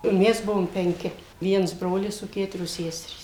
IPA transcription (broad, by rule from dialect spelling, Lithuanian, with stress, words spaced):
ˈmʲɛs ˈbʊʋoːm pʲɛŋʲˈkʲɪ ˈʋʲiɛns ˈbroːlʲɪs oː ˈkʲæːtʊrʲoːs ˈsʲæːsʲɛrʲiːs